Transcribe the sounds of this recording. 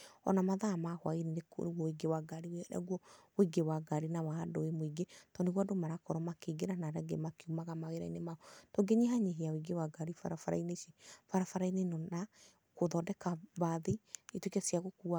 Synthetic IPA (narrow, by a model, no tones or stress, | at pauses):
ɔ̰namaðaːmahwa̰iɾeneko̰neɣwɔwiɡewaɡaɾieɛɾa̰ɣwɔwoiɡewaɡaɾinawaːdoemoiɡetɔneɣwadomaɾakɔɾɔmakeɡeɾanaɾɛɡḛmakeumaɣamaweɾainemaɔtoɡeɲeɦaɲeɦeawiɡewaɡaɾifa̰ɾafaɾa̰ineʃefaɾafaɾainenɔna | koðɔdɛkaβaðeetwekasiaɣokua